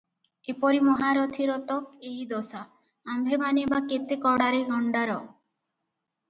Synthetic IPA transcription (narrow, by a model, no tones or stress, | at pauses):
epɔɾimɔɦaɾɔt̪ʰiɾɔt̪ɔkeɦid̪ɔsaː | mbʱebanebaket̪ekɔɽaɾeɡʱɔɳɖaɾɔ